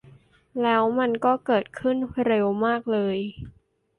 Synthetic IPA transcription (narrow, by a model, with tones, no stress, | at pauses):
lɛː˦˥wma˧nkɔː˥˩kɤː˨˩t̪̚kʰɯ˥˩nɾe˧wmaː˥˩k̚lɤː˧j